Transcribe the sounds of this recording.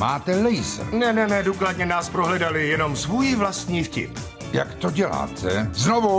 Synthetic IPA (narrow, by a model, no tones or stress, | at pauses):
maːt̪ɛlɛjsnɛnɛnɛduːkladɲɛnaːspɾoɦlɛdalɪjɛno̞msvuːjvlast̪ɲiːfcɪ̰p | ja̰kt̪oɟɛla̰ːt̪ʰɛznovu